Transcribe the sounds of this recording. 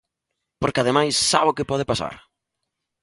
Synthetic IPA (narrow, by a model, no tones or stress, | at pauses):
poɾkɪaðemajsːaβʊkɪpɔðɪpasa̰ɾ